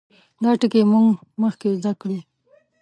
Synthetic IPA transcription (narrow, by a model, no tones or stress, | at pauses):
d̪ɑʈɪkemuŋɡməxkezd̪akɽi